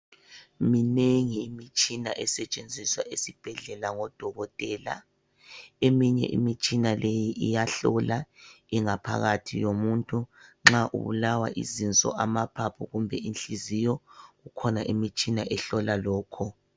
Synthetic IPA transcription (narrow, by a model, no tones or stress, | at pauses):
mineŋiːmit͡ʃʼina̰ʔɛsɛt͡ʃʼend͡zʱiswa̰ʔesib̥ʱɛɮɛlaŋɔd̥ʱɔɣɔtʼɛːla̰ | emiɲɛ̰ʔḭmit͡ʃʼinalejiʔijaɬɔla | iŋapʰa̰ɣatʰḭjomuntʼuŋ͡ǁaʔṵβṵlawa̰ʔḭzint͡sʼɔ̰amapʰapʰuɣumbʱɛinɬizijɔɣukʰɔnaʔimit͡ʃʼinaʔɛɬɔlalɔːkʰɔ